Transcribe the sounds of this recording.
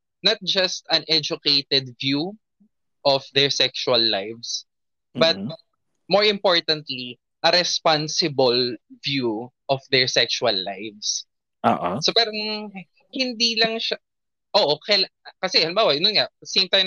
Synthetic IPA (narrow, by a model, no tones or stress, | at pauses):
nɐt̪̚d͡ʒɐst̪ɐ̃nʔɛd͡ʒʊkejt̪ɛd̪̚vju | ʔɔfd̪ɛɹsɛkʃuɐlːajvs | bɐt̪̚ | moɹɪ̃mpoɹt̪ɐ̃nt̪li | ʔɐɾɛspansɪbɐlvjuʔɔfd̪ɛɹsɛkʃuɐlːa̰jvs | ʔo̰ːʔsopɛɾoŋ | hɪnd̪ilɐŋʃa | ʔoːʔokɛlkɐsɛɐlɪmbaːwɐʔɐnonŋɐsẽɪ̃mt̪ãjm